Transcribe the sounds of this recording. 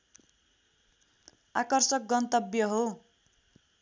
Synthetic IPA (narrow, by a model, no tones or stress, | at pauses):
akʌrsʌk̚ɡʌnt̪ʌbjʌɦo